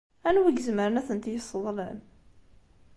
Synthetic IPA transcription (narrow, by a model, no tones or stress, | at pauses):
ænwiɡəzməɾənæθənt̪jəsˤːəðˤlən